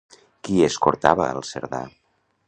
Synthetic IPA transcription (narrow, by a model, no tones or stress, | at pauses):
kiəskoɾt̪aβəəlˠsəɾða̰